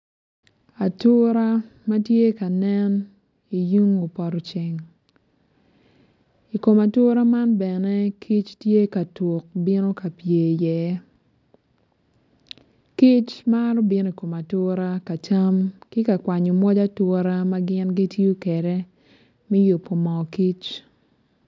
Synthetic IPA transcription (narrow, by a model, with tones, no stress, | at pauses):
a˨tʊ˦ɾa˦ma˦tje˦ka˨nɛ˦n | i˨ju˦ŋo˨pɔ˨ɾɔ˨t͡ʃe˨ŋ | i˨ko˨ma˨tʊ˦ɾa˦ma˦nbɛ˨nɛ˦kʰi˦t͡ʃtje˦ka˨to˨k̚bɪ˦no˦ka˨pje˨jɛ˨˦ | ki˦t͡ʃma˦ɾɔ˦bɪ˦no˦i˨ko˨ma˨tʊ˦ɾa˦ka˨ta˦mkɪ˦ka˨kwa˨ɲo˨mwɔ˦d͡ʒa˦tɔ˦ɾa˦ma˦ɡɪ˦nɡi˦tjo˦kɛ˨ɾɛ˦ | mɛ˦jo˨pːo˨mɔ˨ki˦t͡ʃ